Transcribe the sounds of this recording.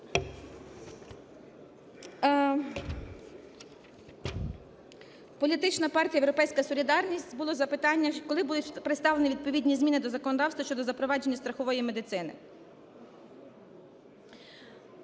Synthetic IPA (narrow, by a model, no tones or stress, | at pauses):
pɔlʲit̪ɪt͡ʃnɐpɑrtʲijɐjewɾɔpɛjsʲkɐsɔlʲid̪ɑrnʲisʲtʲbʊlˠɔzɐpɪt̪ɑnʲːɐkɔlˠɪbud̪ʊtʲpɾɪt̪st̪ɑleniʋid̪̚pɔʋʲidʲnʲizmʲinɪd̪ɔzɐkɔnɔd̪ɑwst̪ʋɐʃt͡ʃɔd̪ɔzɐpɾɔʋɑd͡ʒe̞nʲːɐst̪ɾɐxɔʋɔjimed̪ɪt̪sɪnɪ̰